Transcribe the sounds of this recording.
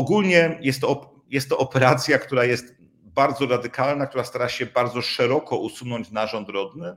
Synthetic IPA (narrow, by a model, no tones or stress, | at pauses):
ɔɡulɲɛjɛst̪ːɔ | jɛst̪ːɔʔɔpɛɾat̪sʲjakt̪uɾajɛst̪ | baɾd̪zɔɾad̪ɘkalnakt̪uɾast̪aɾaɕɛbaɾd̪zɔʂɛɾɔkɔʔusunɔɲd͡ʑnaʐɔnd̪ɾɔd̪nɘ